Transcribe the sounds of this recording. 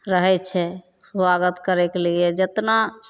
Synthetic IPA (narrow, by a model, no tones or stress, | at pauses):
ɾəɦɛt͡ʃʰɛ | swaɡət̪kəɾɛkelied͡ʒət̪na